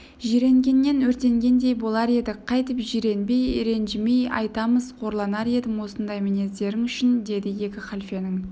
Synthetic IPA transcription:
ʒiɾe̞ŋɡʲe̞nːe̞nwɵɾt̪e̞ŋɡʲe̞nd̪e̞jbo̞lˠɑɾe̞d̪ɪqʰɑjt̪əpʒiɾe̞nbe̞jḛɾe̞nʒɪme̞jɑ̰jt̪ɑməzqʰo̞ɾlˠɑnɑɾe̞d̪ɪmwo̞sənd̪ɑjmene̞zd̪e̞ɾɪŋʏʃɪnd̪e̞d̪ɪje̞kʲɪχalʲfenɪŋ

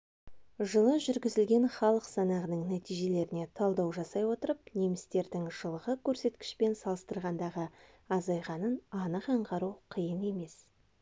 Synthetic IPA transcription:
ʒəlˠəʒʏɾɡʲɪzɪlɡʲe̞nχɑlˠəqsɑnɑʁənəɴnæt̪ijʒe̞le̞ɾɪne̞t̪ʰɑlˠd̪ɑwʒɑsɑjwo̞t̪əɾəpnemɪst̪e̞ɾd̪ɪŋʒ̥əlˠəʁəkʲʰɵɾse̞t̪kʲɪ̥ʃpe̞nsɑlˠəst̪əɾʁɑnd̪ɑʁə | ɑzɑjʁɑnənɑnəqɑɴqɑɾuqʰəjəne̞me̞s

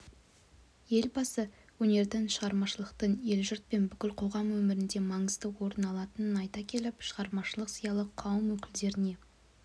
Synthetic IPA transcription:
je̞lbɑsə | wɵne̞ɾd̪ɪŋʃəʁɑɾmɑʃəlˠəqt̪əɴe̞lʒʊɾt̪̚pe̞nbʏkʲɪlqʰo̞ʁɑmwɵmɪɾɪnd̪e̞mɑɴəzd̪əwo̞ɾənɑlˠɑt̪ənənɑjt̪ɑkʲʰe̞lɪpʃəʁɑɾmɑʃəlˠəqsəjɑlˠəqʰɑwəmwɵkʲɪld̪e̞ɾɪne̞

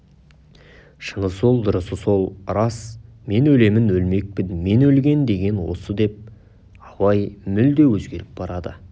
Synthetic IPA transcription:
ʃənəsolˠd̪ʊɾəsəso̞lˠɾɑsme̞nɵle̞mɪnwɵlme̞k̚pɪnme̞nɵlɡʲe̞nd̪e̞ɡʲe̞nwo̞̰səd̪e̞p̚ | ɑwɑjmʏld̪e̞wɵzɡʲe̞ɾɪp̚bɑɾɑd̪ə̰

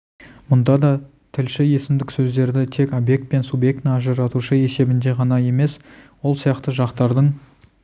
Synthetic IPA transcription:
mʊnd̪ɑd̪ɑ | t̪ʰɪlʃɪje̞sɪmd̪ɪksɵzd̪e̞ɾd̪ɪt̪ʰe̞kobje̞k̚t̪̚pe̞nsubje̞k̚t̪ɪɑʒəɾɑt̪uʃəe̞se̞bɪnd̪e̞ʁɑnɑje̞me̞swo̞lˠsijɑqt̪əʒɑqt̪ɑɾd̪əɴ

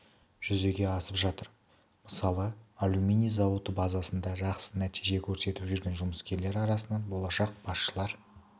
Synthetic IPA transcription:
ʒ̥ʏze̞ɡʲe̞ɑsəpʒɑt̪əɾ | məsɑlˠəalʲˠumʲenijzɑwət̪əbɑzɑsənd̪ɑʒɑqsənæt̪ijʒe̞kʲʰɵɾse̞t̪ɪpʒʏɾɡʲe̞nʒʊməskʲe̞ɾle̞ɾɑɾɑsənɑnbo̞lˠɑʃɑq̚b̥ɑsʃəlˠɑɾ

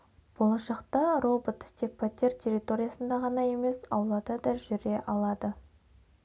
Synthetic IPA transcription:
b̥o̞lˠɑʃɑqt̪ɑro̞bot̪tʰʲːe̞k̚pʰat̪ʲːert̪ʲʰe̞rʲit̪o̞ɾʲijasənd̪ɑʁɑnɑje̞me̞sɑ̰wlˠɑd̪ɑd̪ɑʒʏɾe̞ʔɑlˠɑd̪ə

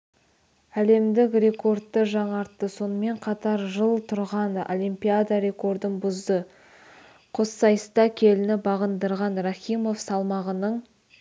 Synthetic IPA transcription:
æle̞md̪ɪkre̞ko̞rt̪ːəʒɑɴɑɾt̪ːəso̞nəme̞ɴqʰɑt̪ɑɾʒəlˠt̪ʰʊɾʁɑno̞̰lʲˠimpʲijad̪ɑɾe̞ko̞ɾd̪ənbʊzd̪ə | qʰo̞sːɑjəst̪ɑkʲʰe̞lɪnɪbɑʁənd̪əɾʁɑnraχʲimo̞fsɑlˠmɑʁənəɴ

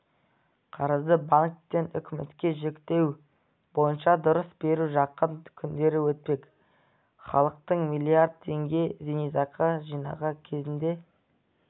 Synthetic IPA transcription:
qʰɑɾəzd̪əbaŋk̚t̪ːe̞nʏ̰kʲɪmḛt̪kʲe̞ʒe̞kt̪e̞w | bo̞jənʃɑd̪ʊɾəsbe̞ɾuʒɑqːənkʲʰʏnd̪e̞ɾɪwɵt̪̚pe̞k | χɑ̰lˠəq̚t̪əɴmijlʲijaɾd̪̚t̪ʰe̞ŋɡʲe̞zenijzɑqɑʒijnɑ̰ʁɑkʲʰe̞zɪnd̪e̞

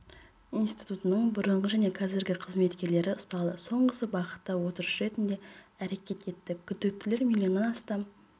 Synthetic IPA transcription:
inst̪i̥jt̪ut̪ənəɴbʊɾəɴʁəʒæne̞qʰɑzɪɾɡʲɪqʰəzme̞t̪kʲe̞ɾle̞ɾɪʊst̪ɑlˠəso̞ɴʁəsəbɑqə̥t̪ːɑwo̞t̪əɾəʃɾe̞t̪ɪnd̪e̞æɾe̞kʲe̞t̪e̞t̪ːɪkʲʰʏd̪ːɪk̚t̪ːɪle̞ɾmʲilʲjio̞nənɑst̪ɑm

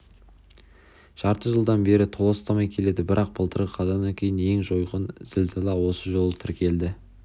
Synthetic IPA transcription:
ʒ̥ɑɾt̪əʒəlˠd̪ɑnbe̞ɾɪt̪ʰo̞lˠəst̪ɑmɑjkʲʰele̞d̪ɪbɪɾʔɑq̚bəlˠt̪ʰəɾʁəqʰɑzɑnd̪ɑŋkʲʰe̞jɪne̞ŋʒo̞jʁənz̥ɪlzɑlˠɑwo̞səʒo̞lˠət̪ʰɪɾkʲe̞ld̪ɪ

